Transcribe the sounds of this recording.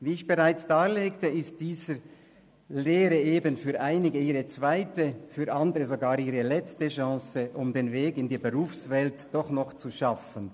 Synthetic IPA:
viːɪçb̥eʁaɪt͡sd̥aːleːktəɪst̚d̥iːzə | leːɾəʔeːbənfyːɐʔaɪnɪɡəiːʁət͡sv̥aɪtəfyːɾʔandəʁəzoɡaːɾiːʁəlɛt͡stəʃɑ̃ːsəʔʊmdeːnveːɡɪndiːbəʁuːfsvɛltd̥ɔχnɔχt͡suʃafən

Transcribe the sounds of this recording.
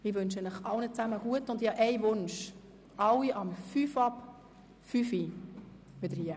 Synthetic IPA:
ɪʋɵnʃɛnləχɑlnət͡sæməɡ̥uətʊndɪhɑʔɛjʋʊnʃ | ʔɑwiʔɑmfyːfɑp | fyfi | ʋɪd̪əɾhiə

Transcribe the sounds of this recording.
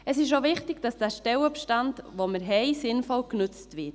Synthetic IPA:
əsɪʃoʋɪχtɪɡ̥d̥ɑsd̥æːʃtɛləpʃtandʋoməɾɦɛɪsɪnfɔlknʏt͡stʋɪt

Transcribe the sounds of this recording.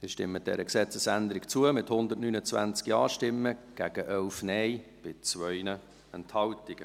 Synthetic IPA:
ɪʃtɪ̰mːəd̥ɛ̰ɾəksɛt͡səsænd̪əɾɪkt͡suəmɪthʊnd̪ətnyːnət͡svæ̰nt͡skiɑːʃtɪmːəɡ̥æɡ̥əʔɛlfnɛjb̥ɪt͡sʋœʏnə | ɛnthɑltɪɡ̥ə

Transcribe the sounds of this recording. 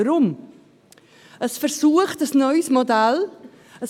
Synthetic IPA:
ɾʊm | əsfərsuːəχtəsnɔjsmɔdɛlˠ | əs

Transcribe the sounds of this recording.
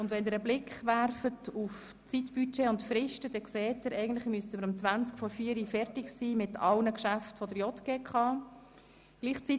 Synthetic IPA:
ʊndʋɛndɪɾəblɪkχʋæɾfətuf | t͡sitb̥yt͡ʃɛʊntfɾɪʃtəd̥ɛkseːtɪɾɛɪɡn̩tləχmyəstəməɾʊmt͡sʋænt͡skfɔɾfiəɾifɛɾtɪɡsiːmɪtʰɑlnəkʃæftfɔdəɾjɔt̪ɡ̥eːkχɑː | ɡ̥liːχt͡si

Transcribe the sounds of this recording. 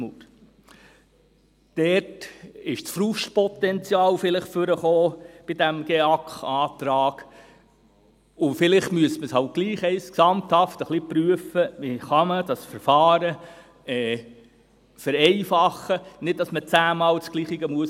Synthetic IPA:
muɾ | d̥ɛtɪʃt͡sfɾuʃtpɔt̪ɛnt͡sjɑːlfɪlɪχfʏɾəχoːb̥id̥æmɡ̥eɑkχɑːtɾɑːɡ | ʊfɪlɪχtmyəsməshɑʊt̚ɡ̥liːχɛɪsksɑmt̪hɑftəχlipɾyəfəʋiχɑməd̥ɑsfɛɾfɑːɾə | ɛː | fɛɾɛɪfɑχːənɪd̚d̥ɑsmət͡sæːmɑːlt͡sɡ̥liːχɪɡəmuəs

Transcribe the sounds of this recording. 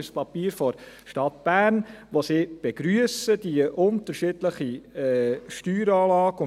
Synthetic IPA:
spɑpiːɾfɔɾ | ʃtɑt̪b̥æːnʋosiːb̥ɛɡ̥ɾyəsəd̥iʔʊnt̪əɾʃɪdləχiɛʃtyːɾɑːlɑːɡʊ

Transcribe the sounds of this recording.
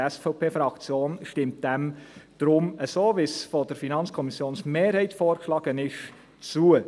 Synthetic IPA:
ɛsfɑʊpʰeːfɾɑkt͡sjoːnʃtɪmt̚d̥ɛmd̥ɾʊməsoːʋɪsfod̥əɾfinɑnt͡skʰɔmisjoːnsmeːɾhɛɪt̪foːɾkʃlɑːɡ̥ənɪʃ | t͡suə

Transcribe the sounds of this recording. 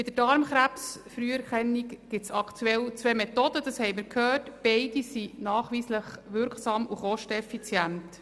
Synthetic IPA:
bɪd̥̪əɾd̥ɑɾmχɾæpsfɾyəɛɾχɛnːikɡ̥ɪtsɑkʰt̪ʰuɛlt͡sʋɛmɛt̪ɔd̥̪əd̥ɑshɛɪmɪɾkʰhœːtb̥ɛɪd̥isinɑːχʋiːsləχʋʏɾksɑːmuχɔʃtɛfit͡sjænt

